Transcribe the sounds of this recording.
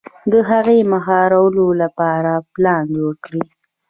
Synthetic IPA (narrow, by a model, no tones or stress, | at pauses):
d̪əɦaɣemaxɦɑɾawəlolapɑɾaplɑnd͡ʒwəɾkɽi